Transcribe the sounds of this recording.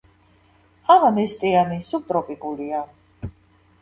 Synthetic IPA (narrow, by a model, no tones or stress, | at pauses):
amanɛst̪ʼianisub̚t̪ʼɾɔpʼikʼulia